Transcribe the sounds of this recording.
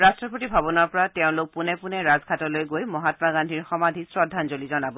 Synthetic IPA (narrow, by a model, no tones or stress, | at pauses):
ɹastɹɔpotibʱabɔnɔɹpɔɹatɛʊ̃lʊk̚punɛpunɛɹazɡʱatɔlojɡojmɔɦatmaɡandʱiɹxɔmadʱisɹɔdʱːanzolizɔnabɔ